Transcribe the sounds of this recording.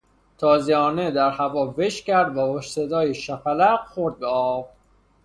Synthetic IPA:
t̪ʰɒːziɒːned̪æɾhævɒːveʃcæɾd̪væhoʃsed̪ɒːjeʃæpælæqxoɾd̪̚ɡɒːf

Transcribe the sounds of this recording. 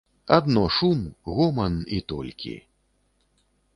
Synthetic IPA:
a̰d̪nɔʂumɣɔmɐnit̪ɔ̰lʲkʲḭ

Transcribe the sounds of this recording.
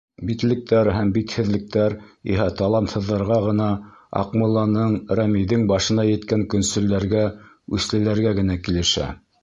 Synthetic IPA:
bit̪lɘ̆k̚t̪æɾɦæmbit̪hɘ̆ðlɘ̆k̚t̪æɾḭɦæt̪ɑlˠɑmt̪hɤ̆ðːɑɾʁɑʁɤ̆nɑɑ̰qmulˠɑnɤɴɾæmiðɘŋbɑʃɤ̆nɑjɘ̆t̪kæŋkɵ̆nsɵ̆lːæɾɡæ | ʉθlɘ̆læɾɡæɡɘ̆nækilɘ̆ʃæ̰

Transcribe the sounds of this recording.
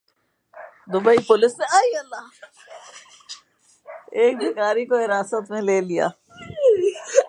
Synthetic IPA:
d̪ʊbəipʊlɪsnẽaːiɐlːaː | eːk̚bɪkaːɾikoɪɾaːsət̪mẽleːlija̰ː

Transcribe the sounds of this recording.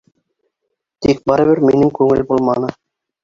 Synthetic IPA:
t̪ik̚bɑɾɘ̆βɘɾminɘŋkʉŋɘ̰lbulˠmɑnɤ

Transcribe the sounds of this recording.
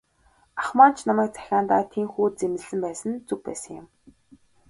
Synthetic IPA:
aχmaːn̥t͡ɕʰnamæːk̚t͡sʰæ̥xʲaːnt̪a̰ːt̪ʰiŋxuːt̪̚t͡semɘ̆ɮɘ̆mpæːsə̆nt͡sɵkpæ̰ːsə̥̆ŋjʊ̰m

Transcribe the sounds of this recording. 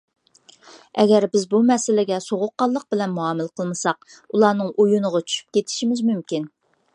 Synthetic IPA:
ɛɡʲɛɾbɪzbumɛsɪlɪɡʲɛsoʁʊqːɑlˠːəq̚bɪlɛnmuɑːmɨlˠqʰəlˠmɨsɑq̚ | ulˠɑːnɨŋʔujunəʁɑt͡ʃʰy̥ʃy̥p̚kʲet̪ʰɪ̥ʃimɪzmymkʲin

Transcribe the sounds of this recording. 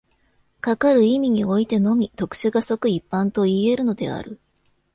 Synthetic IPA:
kakaɾɯ̟imʲiɲ̟io̞it̪e̞no̞mʲit̪o̞kɯ̟̥ɕɨɡaso̞kɯ̟ipːãnt̪o̞ie̞ɾɯ̟no̞d̪e̞̰a̰ɾɯ̟

